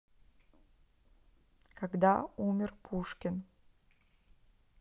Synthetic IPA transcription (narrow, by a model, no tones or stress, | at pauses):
kaɡd̪aumʲɪrpʰuʂkʲɪn